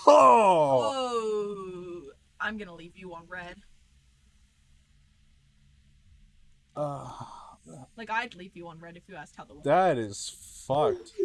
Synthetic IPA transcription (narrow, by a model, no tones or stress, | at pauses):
o | ʔãɪ̃mɡʌnəlivjɨə̃nɹɛd̥ | ʌ | laɪkaɪdˡlivjɨə̃nɹɛɾɨfjɨæstʰɛlˠðəwðɨɾɪz̥fʌk̚t